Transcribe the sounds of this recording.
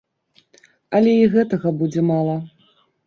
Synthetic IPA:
ɐlʲɛiɣɛt̪ɐɣɐbud͡zʲɛmalˠɐ

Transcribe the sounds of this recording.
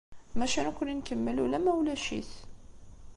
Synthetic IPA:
mæʃænkʷːʊninkəmːəlulæmæwlæʃḭθ

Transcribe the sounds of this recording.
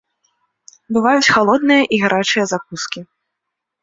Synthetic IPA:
bɨvajut͡sʲxalˠɔd̪̚nɨjɐʔiɣaɾʔat͡ʂɨjɐzak̚uskʲi

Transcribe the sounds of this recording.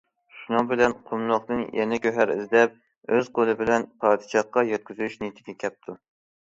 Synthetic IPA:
ʃunɨŋbɪlɛnqʰʊmlˠoqd̪ɨnjɛnɪkʲʰøɦæɾɪ̰zd̪ɛp̚ | øz̥qʰolˠɨbɪlɛnpʰɑːd̪ɨ̥ʃɑχqːɑjɛt̪̚kʲyzyʃnet̪ʰɪɡʲɛkʲʰɛp̚t̪ʰu

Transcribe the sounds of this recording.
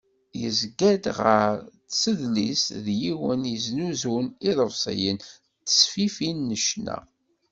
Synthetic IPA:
jəzɡæd̪ʁəɾtsəðlisðjiwənjəznuzuniðˤəvsˤə̰jən | t̪ːə̥sfifinːəʃnæ̰

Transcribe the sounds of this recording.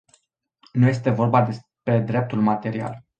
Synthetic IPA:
nuje̞s̬t̪e̞vo̞rbad̪e̞s | pɾe̞d̪ɾe̞p̚t̪ulmat̪e̞ɾia̰l

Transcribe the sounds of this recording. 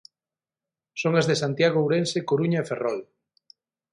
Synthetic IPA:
soŋazðesant̪jaɣ̞owɾensekoɾuɲaeferɔl

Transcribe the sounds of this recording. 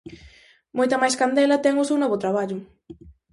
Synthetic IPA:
mujt̪ɐmajskand̪elɐt̪eŋusunoβʊt̪ɾaβaʎʊ

